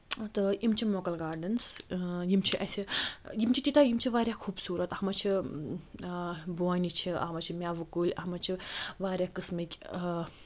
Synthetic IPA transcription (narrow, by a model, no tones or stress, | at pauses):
t̪ɨimt͡ʃʰimoːkɐlɡaːɾɖɐnsjimt͡ʃʰiʔɐsʲijimt͡ʃʰit̪it̪ajimt͡ʃʰiʋaːɾʲjaːxʰuːbsuːɾɐt̪ɐhmɐt͡ʃʰi | boanit͡ʃʰiɐ̰ɦmɐt͡ʃʰimʲaːʋɨkulʲɐɦmɐt͡ʃʰiʋaːɾʲjaːkɨsmɐkʲ